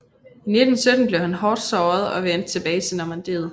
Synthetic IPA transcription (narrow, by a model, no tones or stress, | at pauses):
ine̝d̥n̩sød̥n̩b̥le̝ʊhænɦɒːd̥sɒːð̞ˠɒ̽ʋen̰d̥̚t͡sʰe̝b̥ɛːɪsʰenɒmænd̥e̝̰ːð̞̩ˠ